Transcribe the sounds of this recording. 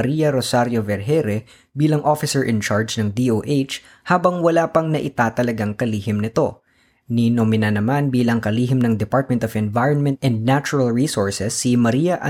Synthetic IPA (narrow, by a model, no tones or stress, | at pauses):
ɐɾiːjɐɾosaɾjovɛɹɦɛɾɛ | biːlɐŋʔofɪsɛɹʔɪ̃nt͡ʃaɹd͡ʒnɐŋd̪iʔoːʔejt͡ʃ | haːbɐŋwɐlaːpɐŋnɐʔɪt̪aːt̪ɐlɐɡaŋkɐliːhɪmnɪt̪o̞ | ninomɪnɐnɐmanbiːlɐŋkɐliːɦɪmnɐŋd̪ɛpaɹt̪̚mɛ̃nt̪ofɛ̃nvajɹɔnmɛ̃nt̪ɛnd̪̚nat͡ʃʊɹɐlɹiːsoɹsɛsːimɐɾijɐʔɐ